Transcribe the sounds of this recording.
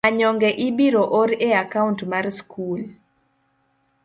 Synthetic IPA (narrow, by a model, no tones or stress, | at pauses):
aɲɔŋɡɛʔibiɾoʔɔɾeakauntmarskʰul